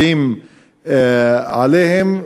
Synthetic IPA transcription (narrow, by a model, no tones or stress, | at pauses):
im | aleɦem